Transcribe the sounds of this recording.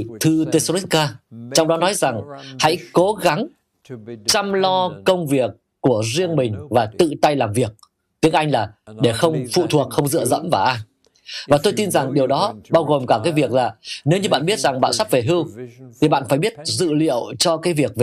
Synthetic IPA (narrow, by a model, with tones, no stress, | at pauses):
t̪ʰɨ˧t̪e˧so˧li˦˥kkaː˧t͡ɕɔ˧wŋ͡mɗɔ˨˦nɔ˨˦jza˨˩ŋha̰˧˥jko˨˦ɣa˨˦ŋ | t͡ɕa˧mlɔ˧kə˧wŋ͡mvi˨˩əkːu˧˩əzi˧əŋmï˨˩ŋ̟vaː˨˩t̪ɨ̰˧˨t̪a˧jlaː˨˩mvi˨˩ək̚ | t̪i˨˦əŋʔa˧jŋ̟laː˨˩ɗe˧˩xə˧wŋ͡mfṵ˧˨t̪ʰu˨˩ək̚xə˧wŋ͡mzɨ̰˧˨əzə̰˧˥mvaː˨˩ʔaː˧j | vaː˨˩t̪o˧jt̪i˧nza˨˩ŋɗi˨˩əwɗɔ˨˦ɓaː˧wɣo˨˩mkaː˧˩kaː˨˦jvi˨˩ək̚laː˨˩ne˨˦wɲɨ˧ɓa̰ː˧˨nɓi˦˥ət̚z̥a˨˩ŋɓa̰ː˧˨nsa˦˥ve˨˩ɦɨ˧wt̪ʰi˨˩ɓa̰ː˧˨nfaː˧˩jɓi˦˥ət̚zɨ̰˧˨lḭ˧˨əwt͡ɕɔ˧kaː˨˦jvi˨˩ək̚ve˨˩